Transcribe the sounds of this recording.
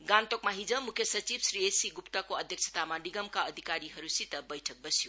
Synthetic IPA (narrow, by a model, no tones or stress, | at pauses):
ɡantok̚maɦid͡ʒɐmukʰjɐsɐɾt͡ʃib̚sɾiesiɡuptakoɐd̪ʱjek̚sʰɐ̥tʰamaniɡɐmkaɐd̪ʱikaɾiɦɐɾusitɐbɐjtʰɐk̚bɐsiju